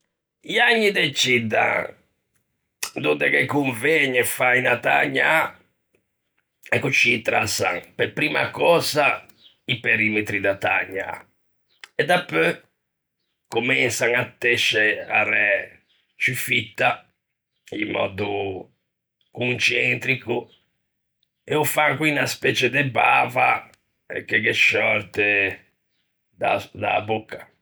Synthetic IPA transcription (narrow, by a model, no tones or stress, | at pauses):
iaɲːid̪et͡ʃid̪a̰ | d̪und̪ɛkɛkuɱveɲːɛfainat̪a̰ɲːa | ɛkut͡ʃːit̪ɾasa̰ŋpɛpɾiːma̰kɔːza | ipeɾimɛt̪ɾid̪at̪a̰ɲːa̰ | ɛd̪apːø | kumɛnsaŋat̪ːɛʃːɛarɛ | t͡ʃufit̪ːa | ḭmːɔ̰ːd̪u | kunt͡ʃɛnt̪ɾiku | ɛufaŋkwinaspɛːt͡ʃɛd̪ɛba̰ːva | ɛ̰kekɛʃɔɾt̪ɛ | d̪ad̪a̰bukːḁ